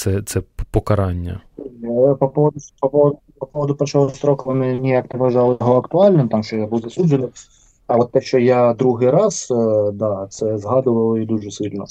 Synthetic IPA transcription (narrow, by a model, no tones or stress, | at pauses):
t̪sɛt̪sɛpɔkɐɾɑnʲːɐ̰ | pɐpɔʋɔd̪ʊpɐpɔʋɔd̪ | pɐpɔʋɔd̪ʊpɾɐt͡ʃɔɦˠɔsɾɔkɐʋɔnɪnʲijaknɪʋɐʒɑlˠɪjɔɦɔɐkt̪ʊɑlʲnɪmt̪amʃt͡ʃɔjabuwzɐsud͡ʒɪnɪ | ɐʋɔt̪ːɛʃt͡ʃɔjad̪ɾuɦɪɾɑsd̪ɑt̪sɛzɦɑd̪ʊʋɐlˠid̪uʐɛsɪlʲnɔ